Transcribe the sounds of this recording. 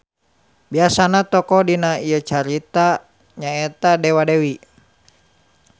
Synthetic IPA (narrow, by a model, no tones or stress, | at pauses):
biasanat̪ɔkɔdinaijət͡ʃaɾit̪a | ɲaɛt̪adɛwadɛwi